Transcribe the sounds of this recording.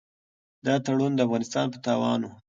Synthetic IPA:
d̪ɑt̪aɽund̪əafɣɑnɪst̪ɑnpət̪ɑwɑ̰nu

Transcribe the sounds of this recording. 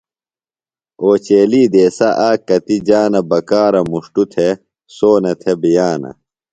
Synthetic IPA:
oːt͡ɕeːliːd̪eːsɐʔaːkːɐt̪id͡ʑaːnɐbɐkaːɾɐmuʂʈut̪ʰe | soːnɐt̪ʰebijaːnɐ̰

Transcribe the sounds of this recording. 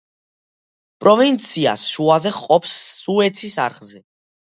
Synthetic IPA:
pʼɾɔvint̪sʰia̰sʃuazɛχqʼɔpʰsːuɛt̪sʰisa̰ɾχzɛ

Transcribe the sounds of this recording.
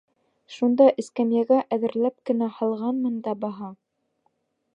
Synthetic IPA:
ʃund̪ɑʔɘ̆skæmjæɡæʔæðɘ̆ɾlæp̚kɘ̆næhɑlˠʁɑnmɤnd̪ɑbɑɦɑ

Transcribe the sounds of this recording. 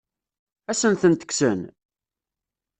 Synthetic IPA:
æsənθənt̪ə̥ksən

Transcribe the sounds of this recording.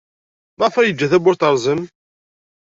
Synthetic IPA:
mæfæjəd͡ʒːæθæbʊɾt̪əɾˤzˤəm

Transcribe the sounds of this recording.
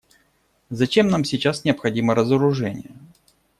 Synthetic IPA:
zɐt͡ɕe̞mnamsʲɪt͡ɕasnʲɪəpxɐdʲiməɾəzəɾʊʐɛnʲɪ̰jə

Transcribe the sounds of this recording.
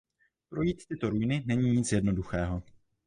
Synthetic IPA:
pɾo̞jiːt̪t̪ɪt̪o̞ɾujnɪnɛɲiːɲɪt͡sjɛdno̞duxɛːɦo̞

